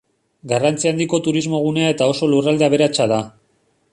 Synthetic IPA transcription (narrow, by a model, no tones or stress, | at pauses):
ɡarant͡siand̪iko̞t̪uɾizmo̞ɣ̞une̞ae̞t̪ao̞so̞lurald̪e̞aβ̞e̞ɾat͡ʃaða